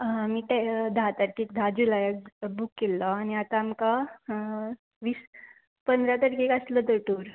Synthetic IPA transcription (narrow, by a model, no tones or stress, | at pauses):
miːʈed̪ʱat̪əʈkikd̪ʱad͡ʑulajəbukːelːɔañiat̪aːmka | ʋiːs | pənd̪ɾat̪əʈkikasləd̪əʈuːɾ